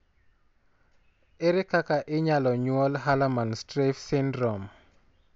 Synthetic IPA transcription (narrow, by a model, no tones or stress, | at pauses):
eɾɪkakaʔɪɲalɔɲwɔlɦalamanstɾefsɪndɾɔm